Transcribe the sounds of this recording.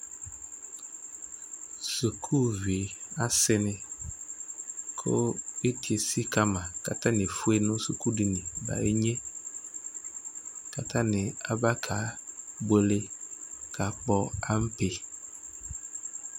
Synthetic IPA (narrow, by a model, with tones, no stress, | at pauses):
su˨kʰu˦˨vi˨a˦sɪ˦nɪ̃˨ | kʰʊ̰˦e˦ti˨e˨si˦ka˦mã˨ka̰˨tã˦nɪ̃˨fu˦e˦nʊ̃˦su˨ku˦di˨nĩ˨ba̰˨e˦ɲẽ˦ | ka˨tʰã˦nɪ̃˨a̰˦ba˦kʰa˨˦be˦le˦kʰa˨k͡pɔ˦a˦m̩˦pe˨